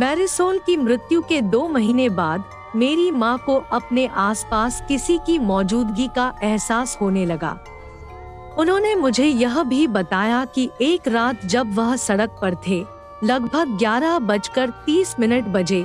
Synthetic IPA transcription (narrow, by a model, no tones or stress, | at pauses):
mɛːɾɪsoːlkimɾɪt̪jũked̪oːmɐɦiːnebaːd̪̚ | meːɾimãkoʔɐpneʔaːspaːskɪsikimɔːd͡ʒuːd̪ɡikaʔɛɦsaːshoːnelɐɡa̰ː | ʊnɦõːnemʊd͡ʒʱejɐɦbʱibɐt̪aːjakieːkɾaːt̪d͡ʒɐbʋɐɦsɐɽək̚pɐɾt̪ʰe | lɐɡbʱəɡ̚ɡjaːɾabɐt͡ʃkɐɾt̪iːsmɪnəʈbɐd͡ʒe